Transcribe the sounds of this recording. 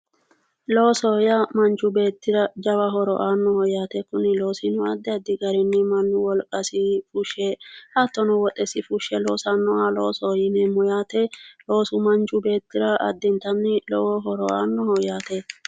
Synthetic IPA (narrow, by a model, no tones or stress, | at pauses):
lo̞ːsɔjɐmɐnt͡ʃːʊbe̞ːt̪ːɪɾɐd͡ʒɐwɐɦɔɾɔʔaːnːɔhɔjaːt̪ɛkʊnːɪlo̞ːsɪnʊɐd̪ːɛɐd̪ːɪɡɐɾɛnːɪmɐnːʊwɔlkʼɐsɪfʊʃɛhɐt̪ːɔnɔwɔt̪ʼɛsɪfʊʃːɛloːsɐnːɔalo̰ːsɔjɪnɛmɔjaːt̪ɛlo̞ːsʊmɐnt͡ʃːʊbe̞ːt̪ːɪɾɐʔɐ̰d̪ːɛnt̪ɐnːɪlɔwɔɦɔɾɔʔa̰ːnːɔhɔjaːt̪ɛ